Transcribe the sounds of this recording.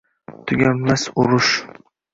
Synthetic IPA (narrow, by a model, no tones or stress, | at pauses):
t̪ʰʊɡʲamlasʊɾʊʃ